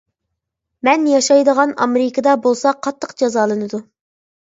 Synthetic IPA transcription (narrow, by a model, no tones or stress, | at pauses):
mɛnjɑʃɑjd̪əʁɑnɑ̰meɾɪkʰəd̪ɑbolˠsɑqʰɑt̪ʰːəqd͡ʒɑzɑːlˠɨnɨd̪u